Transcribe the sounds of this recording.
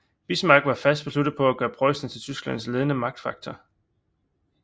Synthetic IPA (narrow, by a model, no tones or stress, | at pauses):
b̥ismɑ̈ɡ̥ʋɑ̈fæsd̥b̥e̝slud̥ð̩ˠpʰɒ̽æɡ̥ɶːɐpʰʁɒɪsdn̩t͡sʰe̝lt͡sʰysɡ̥læn̰sle̝ðˠənəmɑ̈ɡ̥̚d̥fɑ̈ɡ̥̚t͡sʰɐ